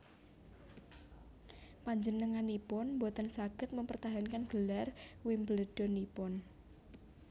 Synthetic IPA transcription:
paɲd͡ʒənəŋanipʊnmbot̪ənsaɡ̥ət̪̚məmpərt̪aɦankanɡ̥əlarwɪmbələɖ̥ɔ̤nipʊn

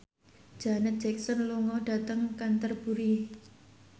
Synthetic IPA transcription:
d̥ʒ̥anət̪̚d͡ʒ̥ɛk̚sənluŋɔɖ̥a̤t̪əŋkant̪ərb̥uɾi

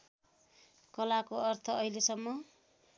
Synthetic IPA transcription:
kʌlakoʌrt̪ʰʌːilesʌmːʌ

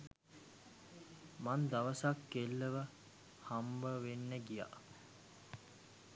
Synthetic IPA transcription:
mand̪aʋəsakːelːəʋə | hambəʋenːəɡija̰

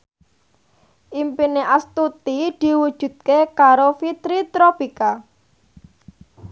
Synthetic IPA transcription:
ʔimpineʔast̪ut̪id̪̥i̤wud̥ʒ̥ṳd̪̚kekaɾofit̪ɾit̪ɾopika

